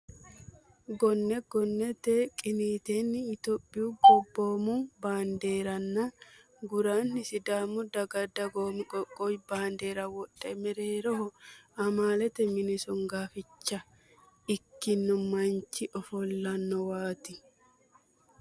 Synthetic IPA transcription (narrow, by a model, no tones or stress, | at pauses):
ɡɔnːɛɡɔnːɛt̪ɛkʼɪniːt̪eːnːɪːt̪opʼːɪjuɡɔbːoːmubaːnd̪e̞ːɾɐnːɐ | ɡʊɾaːnːɪsɪd̪aːmʊd̪ɐɡɐd̪ɐɡoːmkʼɔkʼːojbaːnd̪e̞ːɾɐwɔᶑʼːɛmɛɾeːɾɔɦɔɐmaːlɛt̪ɛmɪnɪsʊŋɡaːfɪt͡ʃːɐ | ɪkːɪnːɔmɐnt͡ʃːɪʔɔfɔlːɐnːɔwaːt̪ɪ